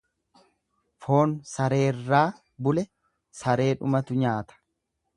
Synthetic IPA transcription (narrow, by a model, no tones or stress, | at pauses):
fo̞ːnsɐɾe̞ːrːaː | bʊlɛ | sɐɾe̞ːᶑʊmɐt̪ʊɲaːt̪ɐ̥